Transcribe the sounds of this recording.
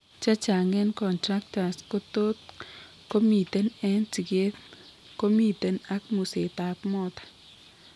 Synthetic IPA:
t͡ʃa˦t͡ʃa˨ŋe˦nkɔ˨ntɾa˦k̚ta˨sko˦t̪o˦t̪̚ | ko˦mi˨t̪e˦nɛ˦nt͡si˨ɡe˦t̪ | ko˦mi˦t̪e˨na˦kmu˨se˨t̪a˨pmɔ˦t̪ḁ

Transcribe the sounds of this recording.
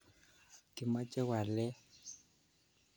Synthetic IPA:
kɪ˨ma˦d͡ʒɛ˦wa˨lɛ˦

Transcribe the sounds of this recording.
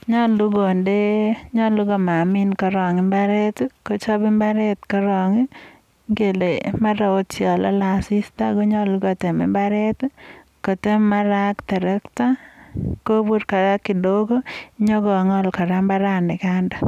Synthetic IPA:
ɲɔ˦lu˦ɡo˨nde˦ɲɔ˦lu˦ɡɔ˨ma˨mɪ˦nkɔ˦ɾɔ˨ŋɪ˦mba˦ɾe˦tko˦t͡ʃɔ˦bɪ˦mba˦ɾe˦t̪kɔ˦ɾɔ˨ŋi˦ | ŋɡe˨le˨ma˦ɾa˨o˦tt͡ʃjɔ˨lɔ̰˦la˨sɪ˦sta˦ɡo˦ɲɔ˦lu˦ɡɔ˨te˨mɛ̰˦mba˦ɾe˦t̪ | ko˨te˦ma˦ɾa˦kt̪ɛ˨ɾe˦kta˦ko˦bu˦ɾka˨ɡa˦ki˨do˦ɡo˦ɲɔ˦ɡɔ˨ŋɔ˦lkɔ˨ɾa˦mba˦ɾa˦nɪ˨ka˦ndɔ˨

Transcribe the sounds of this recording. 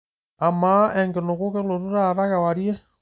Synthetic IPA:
a˨ma˦ɛ˨ŋɡe˨no˨ɣu˦ke˦lo˨ɾu˦ɾa˦˨ɾa˦ɣa˨wa˨ɾje˦

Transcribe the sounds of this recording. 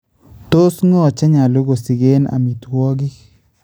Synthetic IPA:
t̪o˦sŋɔ˦˨t͡ʃɛ˦ɲa˨lo˦ɡo˨si˨ɡe˦na̰˨mi˨t̪wɔ˦ɡɪ˦

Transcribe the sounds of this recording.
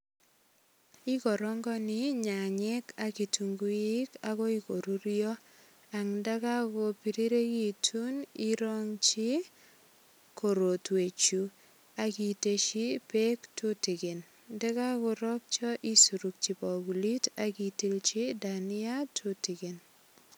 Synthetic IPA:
i˦kɔ˨ɾɔ˦ŋɡɔ˦nɪ˦ɲa˨ɲɛ˦ka˦ki˨tu˨ŋɡu˦i˦ka˦kɔ˦i˨ko˨ɾu˦ɾjɔ˦ | a˨ŋnda˦ka˦kɔ˨pi˨ɾi˦ɾe˦ki˦˨tʰu˦ni˦ɾɔ˦ŋt͡ʃi˦ | ko˨ɾo˨twe˨t͡ʃu˨ | a˨ki˨te˨ʃi˦pe˦ktu˦ti˨ke˨n | ndɛ˦ka˦ko˨ɾɔ˦k̚t͡ʃɔ˦ʔi˦su˨ɾu˨k̚t͡ʃi˨pɔ˨ɡu˨li˦ta˦ki˨ti˦lt͡ʃi˦da˨ni˦a˦tʰu˦ti˨ke˨n

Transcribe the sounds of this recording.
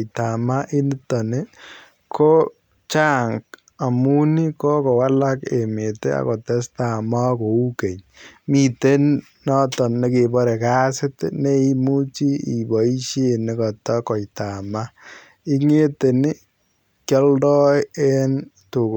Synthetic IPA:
ta˨ma˦ʔi˦ni˦tɔ˨nɪ˦ | kʰo˦ | t͡ʃa˦ŋk | a˨mu˦ni˦ko˦kɔ˨wa˦la˦ke˨me˨te˦a̰˨ko˨tɛ˦sta˨ma˦ko˨u˦ke˨ɲ | mi˨te˦n | nɔ˦tɔ˨nne˦ke˨bɔ˦ɾe˨ka˦sɪ˦tne˦i˦mu˦t͡ʃi˦ḭ˨bɔ˨i˦ʃe˦nɪ˦kɔ˨tɔ˦kɔ˨jta˨ma˦ | i˦ŋe˦te˨nɪ˦ | kjɔ˦ldɔ˦e˦n | tu˨k

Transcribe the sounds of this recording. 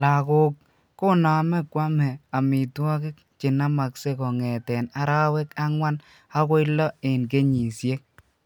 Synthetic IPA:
la˨kʊ˨k | ko˦na˨mɛ˦kwa˦mɛ˨a˨mi˨twɔ˦kɪ˦k̚ | t͡ʃɪ˨na˦ma˨kse˦kɔ˨ŋɛ˨tɛ˨na˨ɾa˦wɛ˦ka˦ŋwa˦n | a˦kɔ˦ɪ˦lːɔ˦e˨nk̬e˦ɲi˨sje˦k

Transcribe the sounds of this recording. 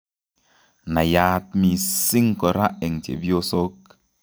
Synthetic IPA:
na˨jaː˦t̚mi˨si˦ŋ˦kɔ˨ɾa˦ʔe˨ŋtḛ˨bi˦o˦so˦k̚

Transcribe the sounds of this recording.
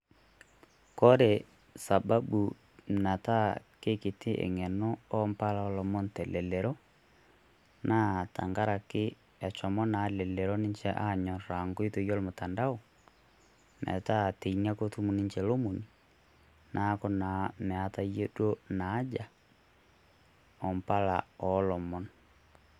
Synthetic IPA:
kɔ˦ɾe˨ | sa˨ba˦bu˨ | na˨ta˦ke˦ke˨te˦ʔḛ˨ŋɛ˨nɔ˦ɔ˦mpa˦la˦ɔ˨lɔ˨mɔ˦ntɛ˨lɛ˨lɛ˨ɾɔ˦ | nʔa˦˨ta̰˨ŋɡa˦ɾa˨ke˦ | ɛ˨t͡ʃɔ˨mɔ˦na˨lɛ˨lɛ˨ɾɔ˦ne˦ɲt͡ʃɛ˦ʔa˦˨ɲɔ˨ɾa˨ŋɡo˦i˦to˨jɔ˦lmo˨ta˨nda˦o˨ | nʔɛ̰˨ta˦˨te˨iɲa˦ko˦tu˦mu˨ni˦ɲt͡ʃɛ˨lo˦mu˨ni˨ | na˦kɔ˦na˨mɛ˨a˨ta˦je˦do˦naː˨˦d͡ʒa˨ | ɔ˨mpa˦la˨ɔ˦lɔ˨mɔ˦n

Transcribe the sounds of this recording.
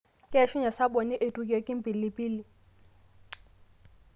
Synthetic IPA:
kʼʃʊ˦ɲa˨sa˦ɓo˨nɪ˦ʔe˨tʼu˨kʼe˨˦kʼɪ˦m̩˦pʼi˨lɪ˨pʼiː˦lɪ˨

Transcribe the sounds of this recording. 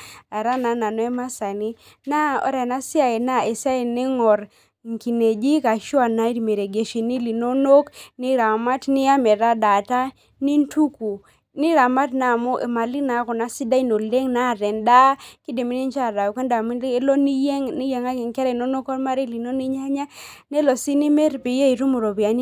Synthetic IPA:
a˨ɾa˦na˨na˨nɔ˨˦ɛ˦ma˦sa˨ni˦ | na˦ɔ̰˨˦ɾɛ˨na˦sɪ˦a˨e˨na˦˨e˨sa˦e˨ne˦ŋɔ˨ɾ | ŋ˨ki˨ne˨d͡ʒi˦ka˨ʃwa˦˨na˦i˦ɾme˨ɾe˨ɡe˨ʃi˨ni˦li˨no˦no˦kni˦ɾa˨ma˦tni˦a˦mɛ˨ɾa˦da˨ta˦ | ni˦ntu˦ku˨ | ni˦ɾa˨ma˦tna˨mo˦ʔe˨ma˨li˦na˨˦kɔ˨na˦si˦da˦i˦no˨le˦ŋna˦˨ɾɛ˨nda˦ki˦de˨mi˦ni˦nt͡ʃa˦ɾa˨ke˦nda˨m˦lo˦ni˦e˦ŋni˦je˨ŋa˦ɡi˨ŋka˦ɾɛ˨no˦no˦kɔ˦ɾma˦ɾi˦li˨no˦ni˦ɲa˦ɲa˦ne˦lɔ˨si˦ni˦me˦ɾpi˨je˦i˨ɾu˦mu˨ɾo˨bi˨a˨n˦

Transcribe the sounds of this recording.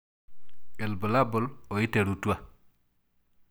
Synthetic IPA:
e˨lbɔ˨la˦bɔ˨lo˨i˦te˨ɾu˨tu˦a˦

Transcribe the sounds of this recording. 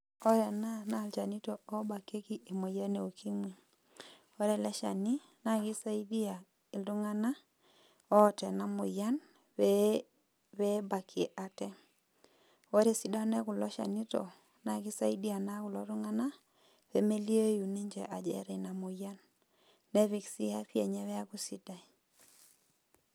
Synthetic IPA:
ɔ˦ɾɛ˨na˦na˨lt͡ʃa˨ni˦to˦o˦ba˨ke˦ki˦ʔe˨mo˨ja˦ne˨o˨ki˦mwi˨ | o˦ɾe˦˨lɛ˦ʃa̰˨ni˦ | na˦˨ki˦sa˦i˦di˦a˨ | i˨ldu˦ŋa˦na˦ | ɔ˦tɛ˨na˨mo˨ja˦n | βɛ˦ba˨kʰe˨ʔa˨tɛ˦ | o˦ɾe˨si˦da˦nɛ˦ku˨lɔ˦ʃa̰˨ni˦tɔ̰˨ | na˨kɪ˦sa˦i˦di˦a˨na˦ku˨lɔ˦ɾu˦ŋa˦na˦ | βe˨me˦li˦e˦ju˨ne˦ɲd͡ʒɛ˨ʔa˨d͡ʒɛ̰˦ɾe˨na˨mʊ˨ja˦nː | ɛ˦βi˨ksi˦a˦ɸjɛ˨ɲɛ˦wɛ˦a˦ku˦si˦da˨i˨

